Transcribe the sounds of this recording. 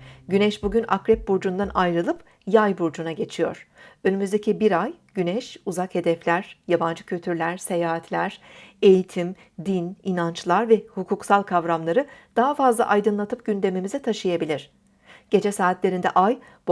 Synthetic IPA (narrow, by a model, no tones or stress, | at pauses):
ɟynɛʃbuɟyna̰kɾɛp̚buɾd͡ʒund̪anajɾɯlˠɯp | jajbuɾd͡ʒunaɟe̞t͡ʃʰijo̞̰ɾ̥ønymyzd̪e̞cʰibiɾajɟ̥ynɛʃuzakhe̞d̪ɛflʲæɾ̥jaband͡ʒɯcʰylʲt̪ʰyɾlʲæɾse̞jaːɦat̪ʰlʲæɾ̥e̞jit̪ʰim | d̪ininant͡ʃlˠaɾvɛhukʰuksalˠkʰavɾamlˠaɾɯd̪̥aɦafazlˠa̰ʔajd̪ɯnlˠat̪ʰɯp̚ɟ̥ynd̪e̞mimizɛt̪ʰaʃɯjabilʲiɾ̝̥ | ɟ̥e̞d͡ʒɛsaːt̪lʲe̞ɾind̪ɛ̰ʔaj | b